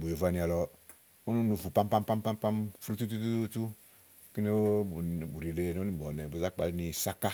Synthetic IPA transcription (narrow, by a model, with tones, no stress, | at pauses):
bu˨jo˨va˦ni˨a˨lɔ˨ | o˦nu˦nu˨fu˨pa˦m˦pa˦mpa˦mpa˦mpa˦mfɾu˦tu˦tu˦tu˦tu˦ | ki˦ne˦u˨bu˨ɾi˨le˦˨n˦o˦i˨bɔ˨nɛ˨bu˨za˦k͡pa˨lni˨sa˦ka˦